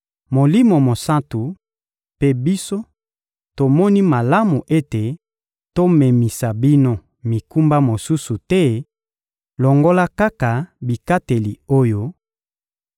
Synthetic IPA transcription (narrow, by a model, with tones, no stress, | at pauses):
mo˨li˦mo˨mo˨sa˦tu˨ | pe˦bi˦so˦ | to˨mɔ˦ni˦ma˨la˦mu˨ʔe˦te˨ | to˦me˨mi˨sa˨bi˦no˦ | mi˨ku˦mba˦mo˨su˦su˨tɛ˦ | lo˨ŋɡo˦la˦ka˦ka˨bi˨ka˦te˨li˨o˦jo˦